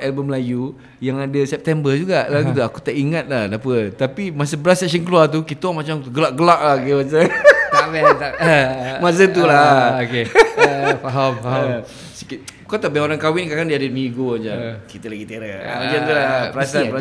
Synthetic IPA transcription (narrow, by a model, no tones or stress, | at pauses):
ɛlbəmlaju | jaŋadəsɛp̚t̪ɛmbərd͡ʒuɡaʔlakit̪uaku̥t̪aʔiŋat̪̚lahdapət̪apimas̬əbəɾasɛksənkəluart̪̬ukit̪əwamat͡ʃamt̪uɡəlaʔɡəlaʔlahokemas̬əabɛt̪aəmas̬ət̪ulaoke | faɦamfaɦa | sikit̪kat̪aʔbehoɾankawɪnkakandiadəmĩɡoad͡ʒakit̪əlaɡit̪eɾaa̰iat̪ulapɾasaa